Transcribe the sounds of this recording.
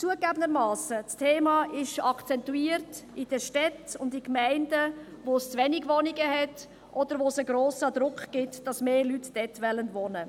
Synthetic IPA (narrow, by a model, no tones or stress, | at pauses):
t͡suəɡæbəndəɾmɑːsət͡stʰeːmɑːʔɪʃɑkʰt͡sɛntuiːəɾtɪd̥əʃtɛtʊndɪkmɛɪndə | ʋost͡sʋɛnɪɡvɔnɪɡəhɛt | ʔɔd̥əɾʋosəɡɾoːsəd̪ɾʊkχɡ̥ɪtd̥ɑsmeːlytd̥ɛtʋɛlənvɔnə